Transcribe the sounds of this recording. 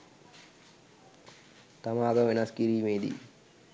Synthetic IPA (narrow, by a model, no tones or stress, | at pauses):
t̪ɐmaːɡɐʋenaskiɾiːmeːd̪ḭ